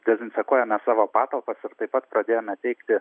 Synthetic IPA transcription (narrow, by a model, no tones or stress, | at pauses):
d̪ʲɛzʲɪnʲsʲɛkoːjɛmʲɛsɑːʋoːpɑːt̪ɐlˠpɐsɪɾt̪ɐɪpːɐt̪pɾɐd̪ʲeːjoːmʲɛt̪ʲɛɪkt̪ʲɪ